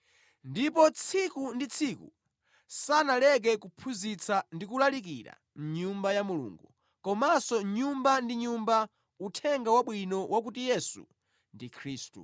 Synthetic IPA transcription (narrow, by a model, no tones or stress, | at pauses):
ndipɔt͡sʰikundit͡sʰikṵ | sanalɛk̬ɛkupʰuzit͡sʰandikulalik̬ḭɾa̰ | m̩ɲumbajamulṵŋɡu | kɔmasɔɲumbandiɲumba | utʰɛŋɡawaɓwinɔwʔak̬utijɛsṵ | ndikʰɾiːstṵ